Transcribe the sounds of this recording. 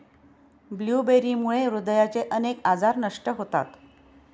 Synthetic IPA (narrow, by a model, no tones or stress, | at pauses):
bljubeɾiːmuɭeɾud̪əjat͡seʔənekad͡zaɾnəʂʈəɦot̪a̰t̪